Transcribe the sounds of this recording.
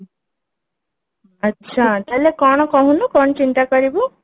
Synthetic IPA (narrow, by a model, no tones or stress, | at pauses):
ɐtːʃʰat̪alekɔɳ̃ɔkɔɦunukɔɳ̃t͡ʃint̪akɔɾibu